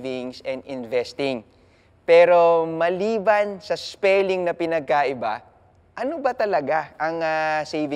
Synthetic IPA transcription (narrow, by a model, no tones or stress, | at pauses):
vɪŋsɛ̃nd̪ɪnvɛst̪ɪŋ | pɛːɾo̞mɐliːbɐnsɐspɛlɪŋnɐpɪnɐɡ̚kaʔɪba̰ | ʔɐnobɐt̪ɐlɐɡaʔɐŋasejvɪ